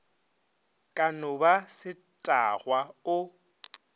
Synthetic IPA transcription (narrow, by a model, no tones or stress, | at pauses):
kʼanʊbasɪ | tʼa̰ɣwaʊ